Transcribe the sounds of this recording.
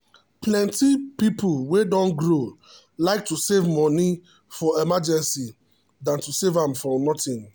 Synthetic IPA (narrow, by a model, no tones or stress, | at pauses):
plɛ̃ntipipulwedɔ̃nɡɹo | laɪk̚tusevmɔni | fɔɛmad͡ʒɛ̃nsi | dãntusevãmfɔnɔtĩn